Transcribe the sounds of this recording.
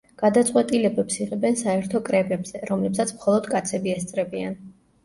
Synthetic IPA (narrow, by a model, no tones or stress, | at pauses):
ɡ̥ad̪at̪sʼqʼwɛt̪ʼilɛbɛpsiʁɛbɛnsaɛɾt̪ʰɔkʼɾɛbɛbz̥ɛɾɔmlɛpsat̪sʰmχɔlˠɔd̪kʼat̪sʰɛbiɛst̪sʼɾɛbian